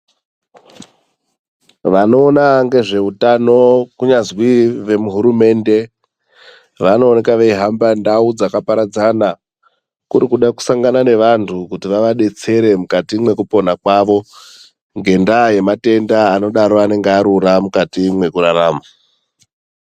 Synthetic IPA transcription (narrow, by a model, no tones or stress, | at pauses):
ʋano̞ːnaŋɡe̞ʐe̞utano̞kuɲazwiʋe̞muɦuɾume̞ːnde̞ | ʋano̞ːnekaʋeiɦambandaud͡zakapaɾad͡zana | kuɾikuɗaku̥saŋɡanane̞ʋantʰukutiʋaʋaɗe̞t͡se̞ɾe̞mukatimwe̞kupo̞nakwaʋo̞ | ŋɡe̞ndaje̞mate̞ndaːno̞ɗaɾo̞ane̞ŋɡeaɾuɾamukatimwe̞kuɾaraːma